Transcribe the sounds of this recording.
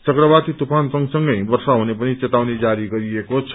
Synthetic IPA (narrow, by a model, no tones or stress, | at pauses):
t͡sʌkɾʌbat̪it̪upʰansʌ̃ŋɡsʌŋɡʌjbʌrsaɦunepʌnit͡set̪awned͡zaɾiɡʌɾiekot͡sʰʌ